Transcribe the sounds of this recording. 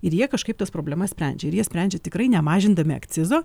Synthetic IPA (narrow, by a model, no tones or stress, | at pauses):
ɪɾjiɛkɐʃkɐɪpt̪ɐspɾoːbʲlʲɛmɐsʲpʲɾʲɛ̰nʲd͡ʒʲɛɪɾjiɛsʲpʲɾʲæˑnʲd͡ʒʲɛt̪ʲɪkɾɐɪnʲɛmɑːʒʲɪnd̪ɐmʲɪɐ̰kt̪sʲɪzoː